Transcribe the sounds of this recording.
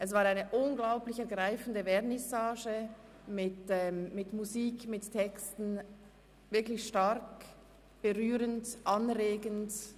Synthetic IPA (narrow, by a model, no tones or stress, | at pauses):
ʔɛs̬v̥aːɾaɪnəʔʊnɡlaʊplɪçɛɐɡʁaɪfn̩dəvɛːnɛsaːʒə | mɪtɛːmmɪtmuziːkmɪtʰːɛkstn̩ | vɪɐklɪçʃtaɾk | b̥əʁyːɾəntʔɑnʁeːɡənt